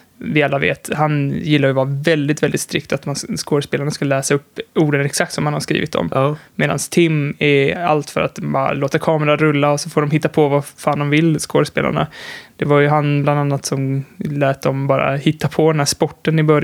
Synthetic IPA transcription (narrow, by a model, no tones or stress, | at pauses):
vɪalːavḛːt̪hanjɪlːaɾjɵvɑːɾavɛld̪ɪt̪vɛld̪ɪt̪st̪ɾɪk̚t̪at̪manskoːɾəspeːlaɳaskalɛːsaɵpːuːɖənɾɛksak̚t̪sɔmhanhaskɾḭːvɪt̪ɔ̰mmeːd̪a̰nst̪ʰɪmɛa̰lt̪fœ̰ɾa̰t̪̚mbɑːɾa̰loːt̪əɾkʰɑːmɛɾaɾɵlːaɔsɔfoːɖɔmɦɪt̪ːapʰɔvafaːnd̪ɔmvɪlːskoːd̪əspḛːla̰ɳa̰d̪̥ɛvaɾjɵɦanbland̪anːat̪sɔmlɛːt̪̚d̪ɔmbɑːɾa̰hɪt̪ːapʰɔd̪ɛnæːʂpɔʈːənɪbœɾj